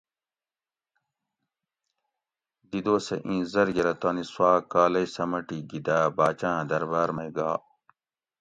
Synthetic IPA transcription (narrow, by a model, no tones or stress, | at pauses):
d̪id̪oːsɐ̰ʔĩːzɐɾɡeɾɐt̪aːniswaːkaːlɐjsɐmɐʈiɡid̪aːbaːt͡ɕãːd̪ɐɾbaːɾmɐjɡaː